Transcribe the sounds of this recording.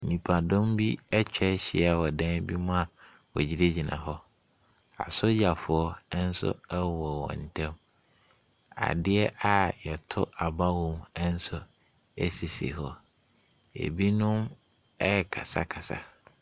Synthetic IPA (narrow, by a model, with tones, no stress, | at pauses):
nĩ˨pʰa˨dɔ̃˦mbi˦ɛ˦t͡ɕᶣɛ˦ɕɪ˨a˨wɔ˨dã˦n˦bi˦mʊ̃˦a˨ | wɔ˨d͡ʑi˦ɾe˦d͡ʑi˨nã̰˨ɦɔ˦ | a̰˨sʊ˦ja˨fʊ˨ɔ˦n̩˦sʊ̰˦ɛ˦wɔ˨wɔ̰̃˨n̩˨tʰɛ̃˦m | a̰˨dɪ˦ɛ˦ʔa˨jɛ˨tʰʊ˦a˨ba˦wɔ̃˦mɛ˦n̩˦sʊ˦ | ɛ˦si˨sḛ˨ɦɔ˦ | jḛ˨bi˦nʊ̃˦m | ɛ˦ɛ˨kʰa̰˨sa̰˦kʰa˨sa̰˨